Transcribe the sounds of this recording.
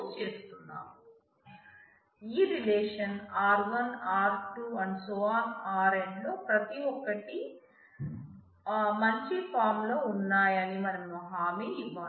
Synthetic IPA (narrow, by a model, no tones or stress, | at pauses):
t͡ʃeːst̪unːa̰ːm | iːɾileːʂɐnaːɾʋɐnaːɾʈuɐɳɖsoaːnaːɾeɳlo̞ːpɾɐt̪iɔkːɐʈi | mɐɲt͡ʃipʰaːɾmloːunːaːjɐnimɐnɐmɦaːmiiʋːaː